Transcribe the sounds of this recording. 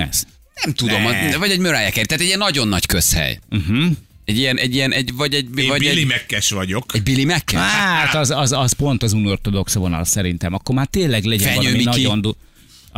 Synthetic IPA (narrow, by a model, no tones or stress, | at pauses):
ɛ̰z | nɛmt̪ud̪o̞mɒvɒɟɛɟmøɾaːjɛkɛɾit̪aːt̪ɛɟːiɛnːɒɟo̞nːɒckø̞shɛ̰jm̩ɦm̩ɛɟijɛnʔɛɟːijɛnɛɟvɒɟɛɟvɒɟimɛkːɛʃʋɒɟo̞kɛɟ̚bilimɛkːɛʃaːt̪ɒzɒzɒzpo̞nt̪ɒzumort̪od̪o̞ksvonɒ̰lsɛɾint̪ɛmɒkːo̞ɾmaːrt̪eːlːɛɡlɛɟɛɛɒɲømiinɒɟond̪u